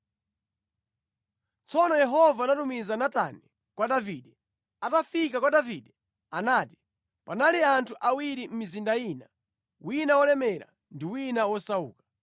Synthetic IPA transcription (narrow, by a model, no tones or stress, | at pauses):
t͡sɔnɔjɛɦɔvanatumizanata̰nɛ | kwaɗaviɗɛ | atafikakwaɗaviɗɛ | anaːti̥ | panaliantʰuʔawiɾim̩mizindajiːna | winawɔlɛmɛɾa̰ | ndiwinawɔsaṵːkḁ